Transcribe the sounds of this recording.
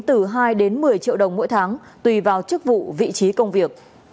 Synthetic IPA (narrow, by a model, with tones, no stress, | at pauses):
t̪ɨ˧˩ɦaː˧jɗe˨˦nmɨ˨˩əjt͡ɕḭ˧˨əwɗə˨˩wŋ͡mmo̰˧˥jt̪ʰaː˨˦ŋ | t̪wi˨˧˩vaː˨˩wt͡ɕɨ˦˥k̚vṵ˧˨vḭ˧˨t͡ɕi˨˦kə˧wŋ͡mvi˨˩ək̚